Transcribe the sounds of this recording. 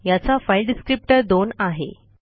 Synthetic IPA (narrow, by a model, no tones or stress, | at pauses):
jat͡safajlɖiskɾip̚ʈəɾd̪onaɦḛ